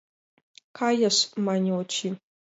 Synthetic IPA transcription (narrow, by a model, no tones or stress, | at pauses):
kʰajaʂmanʲot͡ʃʰi